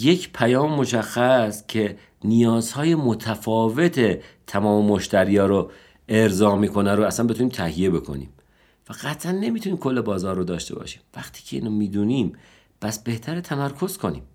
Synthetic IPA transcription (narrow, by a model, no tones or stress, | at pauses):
je̞cʰpʰæjɒːmeːo̞ʃæxːæscʰe̞ | nijɒːzhɒːje̞mot̪ʰæfɒːve̞t̪ʰe̞t̪ʰæmɒːmemoʃt̪ʰæɾiːjɒːɾo | e̞ɾzɒːmiːkʰo̞næɾoæsænmbe̞t̪ʰuniːmt̪ʰæhije̞be̞kʰo̞̰nḭːm | fæɣæt̪ʰʔænːe̞mit̪ʰuniːmkʰo̞lːe̞bɒːzɒːɾrːod̪ɒːʃt̪e̞̰bɒ̰ːʃi̥ːmvæxt̪ʰi̥ːcʰeḭːnomiːd̪uːniːm | pʰæsb̥e̞ht̪ʰæɾet̪ʰæmæɾkʰo̞z̥kʰo̞nḭːm